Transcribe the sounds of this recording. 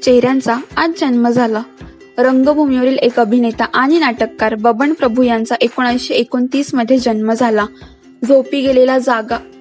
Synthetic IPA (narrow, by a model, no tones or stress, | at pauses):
t͡ɕeɦɾjãnt͡saad͡zd͡ʑənməd͡zʱala | ɾəŋɡəbʱumiʋəɾiːlekəbʱinet̪aʔaɽ̃inaʈəkːaɾbəbəɳpɾəbʱujãnt͡saʔekoɽ̃ajɕeekont̪iːsməd̪ʱːjed͡ʑənməd͡zʱala | d͡zʱopiːɡelelad͡zaɡa